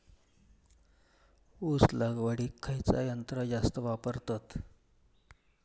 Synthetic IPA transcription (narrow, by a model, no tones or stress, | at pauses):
uslaɡʋəɽikʰːajt͡sa̰jənt̪ɾəd͡zast̪əʋapəɾt̪at̪